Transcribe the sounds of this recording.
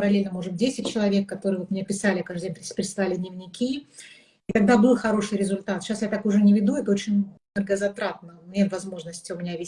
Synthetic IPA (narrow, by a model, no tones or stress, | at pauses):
pəɾɐlʲelʲnəmo̞ʐbɨt̚ʲdʲesʲɪt̚ʲt͡ɕɪlˠɐvʲe̞kːɐt̪o̞ɾɨjvot̪mɪnʲapʲɪsalʲɪɐkaʐd̪dʲẽnpʲɾʲɪsʲpɾɪt̪slˠalʲɪd̪nʲɪvnʲɪkʲi | it̪ɐɡ̚d̪abɨlˠxɐɾo̞ʂɨjɾʲɪzʊlʲt̪at̪ɕasjat̪akʊʐɛnʲɪvʲɪd̪uɛt̪əot͡ɕɪnʲnərɡəzɐt̪ɾat̪nənʲet̪vɐzmo̞ʐnəsʲtʲɪʊmʲɪnʲavʲɪ